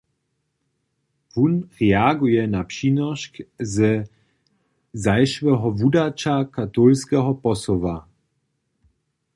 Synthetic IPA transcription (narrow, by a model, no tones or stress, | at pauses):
vunʁɛaɡujɛnapʃinɔʃkzə | zajʃvɛɦɔvudat͡ʃakat̪olskɛɦɔpɔsɔva